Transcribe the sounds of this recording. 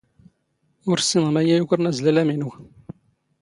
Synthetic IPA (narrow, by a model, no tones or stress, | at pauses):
ʊɾsinʁmæjæjukɾˤənæzlælæminu